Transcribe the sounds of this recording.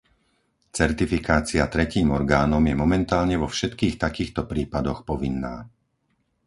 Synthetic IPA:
t͡sɛɾt̪ifikaːt͡siat̪ɾɛciːmɔɾɡaːnɔmjɛmɔmɛnt̪aːlɲɛʋɔfʃɛt̪kiːxt̪akiːxt̪ɔpɾiːpad̪ɔxpɔʋinːa̰ː

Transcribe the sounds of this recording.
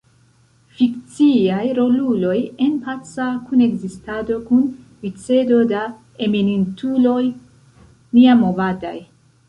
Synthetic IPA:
fikt͡siajɾo̞lulo̞je̞npat͡sakune̞ɡzistado̞kun | wit͡se̞do̞da | e̞minintulo̞j | niamovada̰j

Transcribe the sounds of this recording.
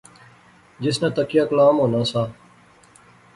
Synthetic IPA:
d͡ʒɪsnãːt̪əkɪjaːklãːmõːnãːsaː

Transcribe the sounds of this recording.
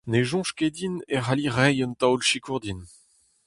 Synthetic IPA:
neʒɔ̃ʃked̪ineʁaliʁɛjɔnt̪awlʃikuʁd̪in

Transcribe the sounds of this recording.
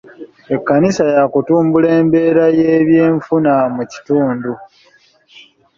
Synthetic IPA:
e̞kːanisajakutuːmbule̞ːmbe̞ːɾajeːβje̞ːɱfunamuci̥tuːndu

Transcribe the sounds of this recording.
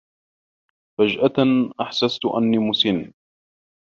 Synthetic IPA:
fad͡ʒʔaʔaħsast̪ʔanːiːmʊsɪn

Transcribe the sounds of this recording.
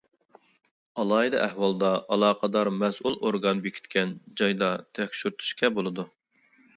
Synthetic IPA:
ɑlˠɑːid̪ɑ̰ʔæhwɑlˠd̪ɑʔɑlˠɑːqʰɑd̪ɑɾmɛsʔulˠoɾɡɑnbekʲʰi̥t̪kʲɛnd͡ʒɑjd̪ɑt̪ʰɛkʲʃyɾt̪ʰu̥ʃkʲɛbolˠɨd̪u

